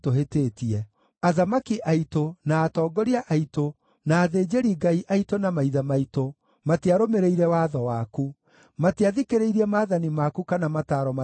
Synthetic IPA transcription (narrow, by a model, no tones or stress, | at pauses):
toɦetetiɛ | aðamakiʔaitonaːtɔːɡɔɾiaʔaito | naːðeːd͡ʒeɾiɡaiʔaitonamaiðamaito | mateaɾomeɾeiɾɛwaːðɔwaku | mateaðikeɾeiɾiɛmaːðanimakukanamataɾɔma